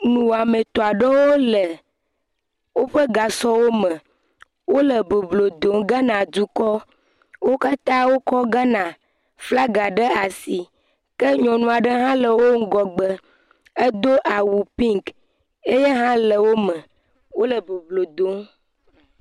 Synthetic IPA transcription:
nũ˨wa˨mẽ˨t̪ɔ˨a˨ɖə˦wo˦lə˨ | wo˦ɸə˦ɡa˨sɔ˦wo˦mə̃˨ | wo˦lə˨be˨blo˨d̪o˨˦ŋɡa˦nã˨d͡ʒu˦kɔ˦ | wo˦ka˦t̪ã˦wo˦kɔ˦ɡa˦nã˨ | fla˦ɡa˨ɖə˦a˨si˨ | kə˦ɲɔ̃˨nũ˦a˨ɖə˦ɦã˦lə˨wo˦ŋ̩˦ɡɔ˨ɡ͡bə˨ | e˦d̪o˦ʔa˨wu˨pi˦ŋk | e˦je˦ɦã˦lə˨wo˦mə̃˨ | wo˦lə˨be˨blo˨d̪o˨˦ŋ

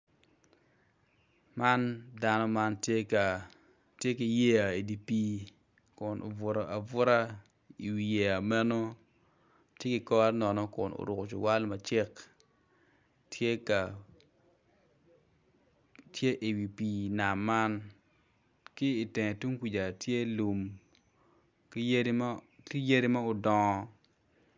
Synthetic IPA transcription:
ma˦nda˦nɔ˦ma˦nta˨ | tje˦kɪ˨je˦a˨e˨di˨pi˦ | kʊ˨nʔʊ̰˨vʊ˨ɾa˨ʔa˨vʊ˦ɾa˦ | i˨wi˨je˨a˨mɛ˦no˦ | tje˦kɪ˨kɔ˦a˦nɔ˨nɔ˦kʊ˨nʊ̰˨ɾʊ˨kʊ˨t͡ʃʊ˨wa˦lma˨t͡ʃɪ˦k | tʰje˦ka˨ | tje˦ʔe˨wi˨piː˨na˨mːa˦n | kɪː˦˨tɛ˨ŋ˨tu˦ŋkʷi˨d͡ʒa˨tje˦lu˨m | kje˦dkɪ˦je˦di˦ma˦ʊ˨dɔ˨ŋ˦

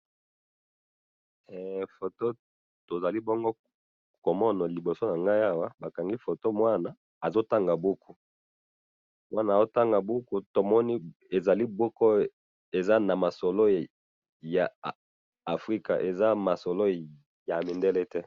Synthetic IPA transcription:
ɛ˨fo˨to˦ | to˨za˨li˦bɔ˦ŋɡo˦ | ko˨mɔ˦nɔ˨li˨bo˨so˦na˨ŋɡa˦ja˦wa˦ba˨ka˨ŋɡi˦fo˨to˦mwa˦na˨ | a˨zo˦ta˦ŋɡa˨bu˦ku˦ | mwa˦na˨zo˦ta˦ŋɡa˨bu˦ku˦to˨mɔ˦ni˦ | e˨za˨li˦bɔ˦kɔ˦ | e˨za˦na˨ma˨sɔ˨lo˦ | jaː˨ | fʁi˦ka˨ʔe˨za˦ma˨so˨lo˦ | ja˨mi˨nde˦lɛ˦tɛ˦

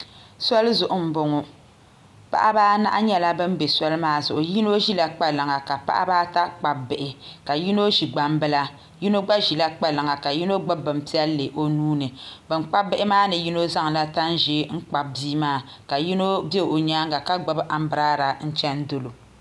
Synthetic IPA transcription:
sɔ˦lzʊ˨ʔʊ˨m̩˦bo˨ŋʊ˨ | pa̰˦ʔa̰˦baː˦na̰˦ʔa˦ɲɛ˦la˦bɨ˦m˦be˨sɔ˦lɨ˦maː˦zʊ˨ʔʊ˨ji˦no˦ʒi˦la˦k͡pa˦˨lɨ˨ŋa˨ka˨pa̰˦ʔa̰˦baː˦ta˦k͡pa˨bɪ˨ʔɪ˨ka˨ji˦no˦ʒi˨ɡ͡ba˦mbɨ˦la˦ | ji˦no˦ɡ͡ba˦ʒi˨la˦k͡pa˦lɨ˨ŋa˨ka˨ji˦no˦ɡ͡ba˦bɨ˨m̩˨pi˦ɛ˦lːɨ˨ʔo˦nuː˦nɨ˨bɨ˨m˦k͡pa˦bɪ˦ʔɪ˦maː˦nɨ˨ji˦no˦za˦ŋ˨la˦ta˦n˦ʒi˦ŋ̩˦k͡pa˨b̚biː˦maː˦ | ka˨ji˦no˦bɛ˦˨o˨ɲaː˦ŋɡa˨ka˦ɡ͡ba˦bʔa˨m̩˦bɨ˨ɾaː˦ɾa˨n̩˦t͡ʃɛ˦n̩˦dɨ˦lo˨

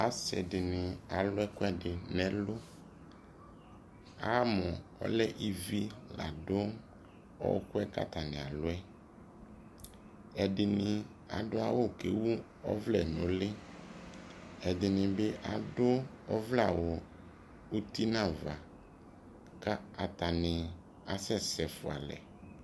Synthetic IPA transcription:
a˨sɛ̰˨dɪ˨nɪ̃˨a˨lʊ˦ɛ˦kʊ˦ɛ˦dɪ˨nɛ̃˦lʊ˦ | a˦mʊ̃˨ɔ̰˦lɛ˦ʔi˦vi˦la̰˨dʊ˦ | ɔ̰˦w̰kʊ˦ɛ˦ka̰˦t̪a˨nɪ̰̃˨a˨lʊ˦ɛ˦ | ɛ˨dɪ˨nɪ̃˨ | a̰˨ɖʊ˦a˨wʊ˦ke˨˦wu˦ | ɔ̰˦vlɛ˨nõ˨lɪ˦ | ɛ˨dɪ˨nɪ̃˨be˦ʔa˨dʊ˦ | ɔ˦vla˨wo˨ | u˦t̪i˦nã˦˨va˨ | ka˦a˨t̪a˨nɪ̃˨ | a˨sɛ˦˨sɛ˨fʊ˨a̰˨lɛ̰˨

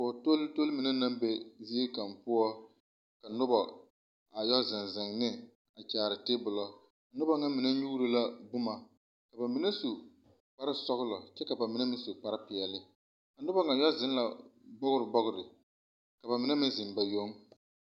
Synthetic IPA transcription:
ɔ˨to˦lto˦lmɪ˨nɛ˦na˦mbe˦zi˦e˦ka˨mpʊ˦ɔ˦ | ka˨nʊ˦bɔ˨ | ŋa˨jɔ˦zɪ˨nzɪ˨ŋnɪ˦ | a˨t͡ʃaː˨ɾɪ˨te˦bʊ˨lɔ˦ | a˨nʊ˦ba˦ŋa˦mɪ˨nɛ˦ɲu˦ɾɨ˦la˦bʊ˦ma˨ | ka˨ba˨mi˨nɛ˦su˨ | k͡pa˦ɾɪ˦sɔ˦ɣʊ˦lɔ˨t͡ʃɛ˦ka˨ba˨mi˦nɛ˦mɪ˦su˨k͡pa˦ɾɪ˦pɪ˨ɛ˨lɪ˦ | ka˨nʊ˦bɔ˦ŋa˨jɔ˦zɪ˨˦n˦la˨bɔ˦ɡʊ˦ɾɪ˨bɔ˦ɡʊ˦ɾɪ˨ | ka˨ba˨mɪ˦nɛ˦mɪ˦nzɪ˨mba˨jo˦ŋ

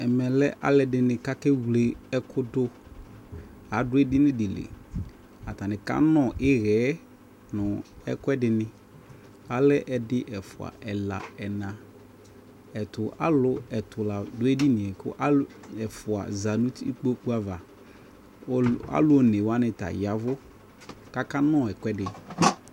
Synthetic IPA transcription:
ɛ˨mɛ˨lɛ˦ʔa̰˦lɛ˦dɪ˨nɪ̃˨ka˦kɛ˦wle˨ɛ˦kʰʊ˦dʊ˦ | ɦa˨˦dʊ˦ɛ˦dɪ˦nɪ̃˦dɪ˨lḛ˨ | a˨ta˨nɪ̃˨ka̰˦nɔ̃˨ʔɪ˦ɣɛ˨˦ | nʊ̃˨ɛ̰˦kʊ˦ɛ˦dɪ˨nɪ̃˦ | a˦lɛ˦ʔɛ˨dɪ˦ʔɛ˨fʊ˨a̰˨ʔɛ˨la̰˨ɛ˨nã˨ | ɛ˨tʊ˨ʔa̰˦lʊ˦ɛ˨tʊ˨la˨dʊ˨˦ɛ˦di˦nɪ̃˨ɛ˨kʊ̰˦ʔa˦ɛ˨fʊ˨a̰˨za˨nũ˦tḭ˦k͡po˦k͡pu˦a˦va˨˦ | a̰˦lʊ˦˨ne˨wa˦nɪ̃˨ta̰˨ja˨vʊ˦ | ka˦ka˦nɔ̃˦˨ɛ˨kɛ˦dɪ˨

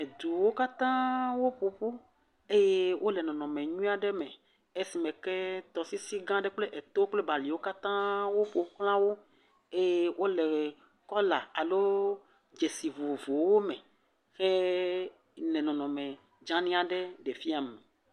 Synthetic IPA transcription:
e˨d̪u˨wo˦ka˦t̪ã˦wo˦ɸu˨ɸu˦ | e˦je˦wʔo˦lɛ˨nɔ̃˨nɔ̃˨mɛ̃˨ɲũ˦a˨ɖɛ˦mɛ˨ | e˦si˨mɛ̃˨kɛ˦t̪ɔ˨si˦si˦ɡã˦ɖɛ˦k͡ple˦ʔe˨t̪o˦o˦k͡ple˦ba˨li˨wo˦ka˦t̪ã˦wo˦ɸo˨˦k͡plã˦wo˦ | e˦je˦wʔo˦lɛ˨ | kɔ˦la˨a˨lo˦ | d͡ʒe˨si˨vu˨vo˨wo˦mɛ̃˨ | xe˦ | nɛ̃˨nɔ̃˨nɔ̃˨mɛ̃˨ | d͡ʒã˦nĩ˦a˨ɖɛ˦ɖe˨fi˦a˨me˨

